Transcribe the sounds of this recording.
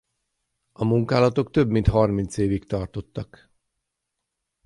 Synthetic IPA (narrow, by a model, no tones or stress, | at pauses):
ɒmuŋkaːlɒt̪o̞k̚t̪ø̞bmint̪ɦɒrmint̪seːvikt̪ɒrt̪o̞t̪ːɒk